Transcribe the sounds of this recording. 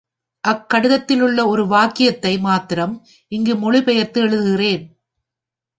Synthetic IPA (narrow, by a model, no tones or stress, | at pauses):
ʔɐkːɐɽɯðɐt̪ːɪlɯɭːɐɔɾɯʋaːkɪjɐt̪ːɐɪmaːt̪ɪɾɐm | ʔɪŋɡɯmɔɻɪpɛjɐt̪ːɯɛɻɯðɯɣɪreːn